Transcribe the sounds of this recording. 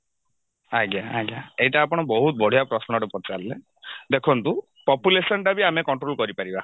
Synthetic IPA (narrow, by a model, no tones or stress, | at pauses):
aɡjaaɡjaejʈaːpɔɽ̃ɔbɔɦut̪̚bɔɽ̤ʱijapɾɔsnɔʈupɔt͡ʃaɾle | d̪ekʰɔnt̪u | pɔpjulesɔnʈabiamekɔɳʈɾolkɔɾipaɾiba